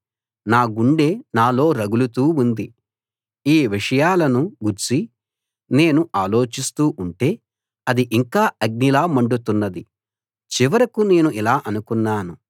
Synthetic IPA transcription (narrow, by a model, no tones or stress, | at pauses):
naːɡuɳɖe̞ːnaːlo̞ːɾɐɡulut̪uːund̪i | iːʋiʂɐjaːlɐnuɡuɾt͡ʃi | ne̞ːnuʔaːlo̞ːt͡ʃist̪uːʔuɳʈe̞ː | ɐd̪iʔiŋkaːɐɡ̚nilaːmɐɳɖut̪unːɐd̪i | t͡ʃiʋɐɾɐkune̞ːnuʔilaːʔɐnukunːaːnu